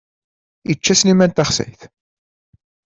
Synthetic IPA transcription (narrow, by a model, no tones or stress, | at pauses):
it͡ʃːæsnimænt̪ɑχsæ̰jθ